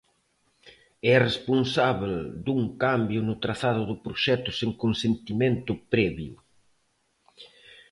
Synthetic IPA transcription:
ɛresponsaβeld̪uŋkambjʊnʊt̪ɾaθaðʊðʊpɾoʃɛt̪ʊseŋkonsent̪imẽnt̪ʊpɾɛβjʊ

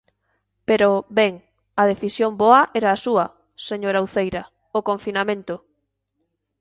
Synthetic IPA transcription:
peɾoβɛŋ | ɐðeθisjomboɐʔɛɾaːsuɐ | seɲoɾawθejɾɐ | okoɱfinamẽnt̪ʊ

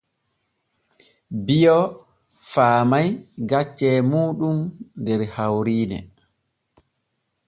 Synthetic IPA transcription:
bijɔ | faːmajɡat͡ʃːɛːmuːɗumndɛɾhawɾiːnɛ̰

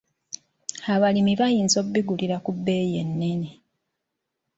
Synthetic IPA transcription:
aβalimiβajiːnzo̞bːiɡuliɾakubːe̞ːjenːe̞ne

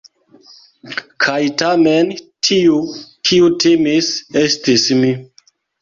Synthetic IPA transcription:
kʰajtamentʰiukʰiutimise̞stismi

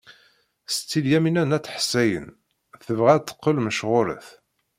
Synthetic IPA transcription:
st͡sːiljæminænæt͡sːħsːæjə̰n | θəvʁæt͡s̪ːə̥qːəlməʃʁʊɾə̰θ

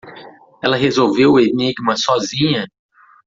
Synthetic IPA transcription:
ɛlɐɦezowveweniɡmɐsɔzĩɲɐ

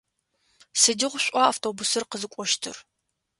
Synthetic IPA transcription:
sɨdɪʁʷɕʷʼaaːftʰoːbʊsɨrqəzɨkʷʼɔʃtʰɨ̰r

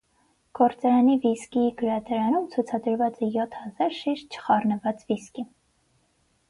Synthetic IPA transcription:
ɡ̥ɔɾt͡sɑɾɑniviskiɡəɾɑt̪ʰɑɾɑnumt͡sʰut͡sʰɑd̪əɾvɑt͡sɛjɔt̪ʰhɑzɑɾʃiʃt̪̚t͡ʃʰə̥χɑrnəvɑt͡sviski

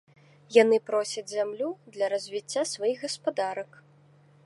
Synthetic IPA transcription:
janɨpɾɔsʲɐd͡zʲzʲamlʲud̪lʲɐɾɐzʲvʲit͡sʲːasvajiɣɣɐspad̪aɾɐk

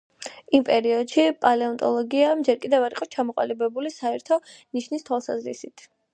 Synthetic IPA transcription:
impʼɛɾiɔd̪ʃipʼalɛɔnt̪ʼɔlˠɔɡiad͡ʒɛɾkʼid̪ɛvaɾiqʼɔt͡ʃʰamɔqʼa̰libɛbulisaɛɾt̪ʰɔniʃnist̪ʰwalˠsa̰zɾḭsit̪ʰ

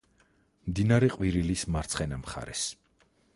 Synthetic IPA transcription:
md̪inaɾɛqʼwiɾilismaɾt̪sʰχɛnamχa̰ɾɛs

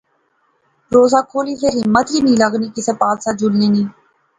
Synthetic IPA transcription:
ɾoːzaːkʰoːliːseːɾɦɪmːət̪ɾiːnĩːləɡniːkɪsepaːlsaːd͡ʒulneːniː

